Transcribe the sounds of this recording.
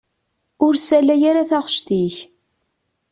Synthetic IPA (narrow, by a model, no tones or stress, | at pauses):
ʊɾsælæjaɾaθaʁəʃt̪iç